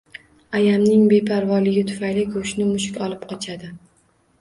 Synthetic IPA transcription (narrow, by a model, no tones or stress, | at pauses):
ajamnɪŋbe̞pʰaɾvɒlɪɡʲɪt̪ʰʊ̥fajlɪkʰʊʃnɪmʊʃɪkʲɒlˠɪpqʰɒt͡ʃʰad̪ɪ